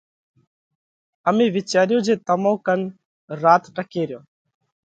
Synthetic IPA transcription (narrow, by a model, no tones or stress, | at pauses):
əmẽːʋɪt͡ʃaːɾɪjõːd͡ʒeːt̪əmõːkən | ɾaːt̪ʈəkeːɾɪjõː